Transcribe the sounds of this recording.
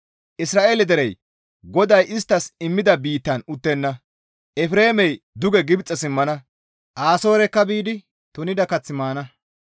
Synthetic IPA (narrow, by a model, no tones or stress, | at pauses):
ʔɪsɾaːʔeːlɛd̪ɛɾɛj | ɡɔd̪ɐjɪst̪ːɐsɪmːɪd̪ɐbiːt̪ːɐnʊt̪ːɛnːɐ | ʔɛfɾeːmɛj | d̪ʊɡɛɡɪbt͡sʼːɛsɪmːɐnɐ | ʔaːso̞ːɾɛkːɐbiːd̪ɪ | t̪ʊnɪd̪ɐkɐt͡sːɪmaːnɐ